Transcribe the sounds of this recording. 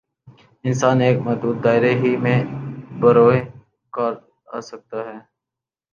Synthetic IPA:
ɪnsaːneːkmɐuːt̪̚d̪aːɪɾeɦimẽbəɾoːe | kəɾ | a̰ːsək̚t̪aɦɛː

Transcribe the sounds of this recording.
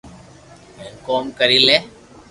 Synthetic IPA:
enkoːmkəɾileː

